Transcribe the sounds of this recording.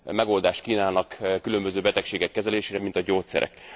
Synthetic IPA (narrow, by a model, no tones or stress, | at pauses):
mɛɡo̞ld̪aːʃt̪kiːnaːnɒkkylø̞mbøzøːbɛt̪ɛkʃeːɡɛkːɛzɛleːʃeːɾɛmint̪ɒɟoːt̪sɛ̰ɾɛ̰k